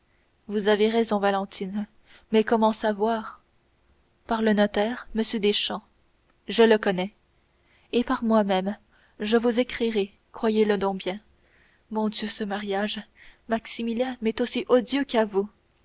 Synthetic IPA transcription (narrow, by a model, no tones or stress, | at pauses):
vuzaveʁɛzɔ̃valɑ̃t̪ʰin | mɛkɔmɑ̃savwaːʁ | paʁlənɔt̪ɛːʁməsjød̪eʃɑ̃ | ʒələkɔnɛ | epaʁmwamɛm | ʒəvuzekχiʁe | kχwajeləd̪ɔ̃bjɛ̃ | mɔ̃d̪jøsəmaʁjaʒmaksimiljɛ̃mɛt̪osiʔɔd̪jøkavu